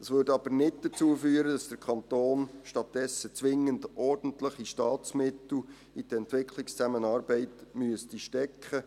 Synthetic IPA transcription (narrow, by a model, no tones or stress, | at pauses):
d̥ɑsʋʏɾdɑb̥əɾnɪdd̥ət͡suəfyːəɾəd̥ɑsd̥əɾkʰɑnt̪oːnʃtɑt̚d̥ɛsət͡sʋɪŋːəndʔɔrd̥n̩tləχiʃtɑːt͡smɪtl̩ | id̥əɛntʋɪkʰlɪkst͡sæmənɑːɾbɛɪtmyəstiʃtɛkχə